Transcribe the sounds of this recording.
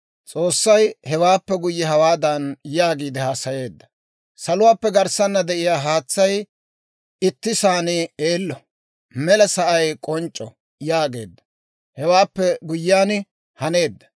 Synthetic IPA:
t͡sʼo̞ːsːɐjhɛwaːpːɛɡʊjːɛɦɐwaːd̪ɐnjaːɡiːd̪ɛhaːsɐje̞ːd̪ːɐ̥ | sɐlʊwaːpːɛɡɐɾsɐnːɐd̪ɛʔɪjaːɦaːt͡sːɐj | ɪt̪ːɪsaːnɪeːlːɔ | mɛlɐsɐʔɐjkʼɔnt͡ʃʼːɔ | jaːɡe̞ːd̪ːɐ̥ | hɛwaːpːɛɡʊjːaːn | hɐne̞ːd̪ːɐ̥

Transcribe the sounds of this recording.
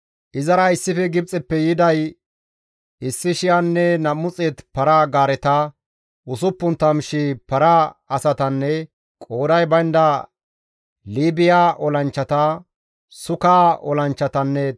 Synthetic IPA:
ʔɪzɐɾɐɪsːɪfɛɡɪb̚t͡sʼɛpːɛjɪd̪ɐj | ɪsːɪʃɪjanːɛnɐmːʊt͡sʼeːt̪pɐɾaɡaːɾɛt̪ɐ | ʊsʊpːʊnt̪ːɐmʃɪpɐɾaɐsɐt̪ɐnːɛ | kʼo̞ːd̪ɐjbɐjnd̪ɐ | liːbɪjaːʔɔlɐnt͡ʃːɐt̪ɐ | sʊkaːɔ̰lɐnt͡ʃːɐt̪ɐnːɛ

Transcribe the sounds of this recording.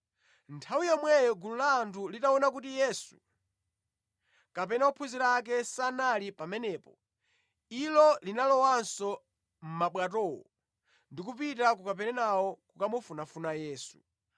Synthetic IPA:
ntʰawijɔmwɛjɔɡululaːntʰulitaɔnakutijɛsu̥ | kapɛnaupʰuziɾak̬ɛsanalipamɛnɛːpɔ | ilɔlinalɔwansɔ | m̩maɓwatɔwɔ̰ | ndik̬up̬itak̬ukap̬ɛnɛnawɔkukamɔfunafunajɛːsu̥

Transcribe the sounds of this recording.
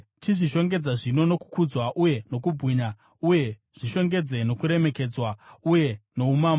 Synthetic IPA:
tiʐiʃo̞ŋɡe̞d͡zaʐino̞no̞ku̥kud͡zwaʔuje̞no̞kubʱɣiɲa | uje̞ | ʐ̥iʃo̞ŋɡe̞d͡ze̞no̞kuɾe̞me̞ke̞d͡zwauje̞no̞umaːma

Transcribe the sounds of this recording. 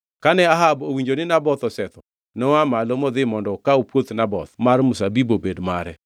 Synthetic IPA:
kanɛaɦabowiɲd͡ʒonɪnabɔt̪ɔsɛt̪ɔ | nɔwamalomɔd̪ɪmɔndɔkaopwot̪nabɔt̪marmʊsabibobedmaɾɛ

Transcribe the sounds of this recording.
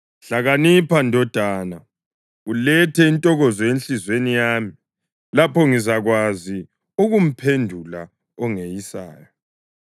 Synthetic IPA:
ɬaɣanipʰandʱɔd̥ʱana | ulɛtʰɛintʼɔɣɔzɔenɬizwenijaːmi | lapʰɔŋizaɣwazi | uɣum̩pʰendʱula | ɔŋejisa̰ːjɔ

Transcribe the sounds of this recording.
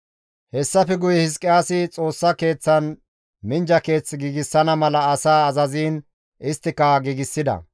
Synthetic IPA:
hɛsːɐfɛɡʊjɛhɪs̬kʼːɪjaːsɪt͡sʼo̞ːsːɐke̞ːt͡sːɐn | mɪnd͡ʒɐke̞ːt͡sːɡiːɡɪsːɐnɐmɐlɐːsaːɐzɐziːn | ʔɪst̪ːɪkɐɡiːɡɪsːɪd̪ɐ̰

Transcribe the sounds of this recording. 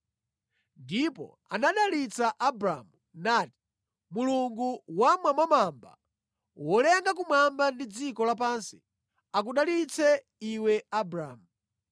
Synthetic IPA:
ndipɔ̰ | anaɗalit͡saʔabɾa̰mu | naːti̥ | muluŋɡuwamwamwamamba̰ | wɔlɛŋɡak̬umambandid͡zikɔlap̬ansi̥̰ | ak̬uɗalit͡sɛ | iwɛabɾaːmu

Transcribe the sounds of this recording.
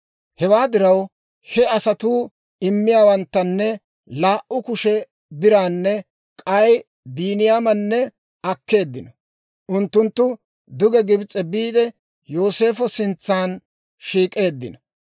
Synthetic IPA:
hɛwaːd̪ɪɾɐw | hɛɐsɐt̪uː | ɪmːɪjaːwɐnt̪ːɐnːɛ | laːʔʔʊkʊʃɛ | bɪɾaːnːɛ | kʼɐj | biːnɪjaːmɐnːɛ | ɐkːe̞ːd̪ːɪnɐ | ʔʊnt̪ːʊnt̪ːʊ | d̪ʊɡɛɡɪbt͡sʼːɛbiːd̪ɛ | jo̞ːse̞ːfɔsɪnt͡sːaːn | ʃiːkʼe̞ːd̪ːɪ̰nɐ

